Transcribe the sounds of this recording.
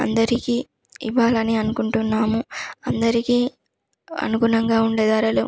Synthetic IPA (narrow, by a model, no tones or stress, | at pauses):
ɐ̰nd̪ɐɾikiː | iʋaːlɐniɐnukuɳʈunːaːmuɐnd̪ɐɾikiː | ɐ̰nuɡuɳɐŋɡaːuɳɖeːd̪aːɾɐlṵː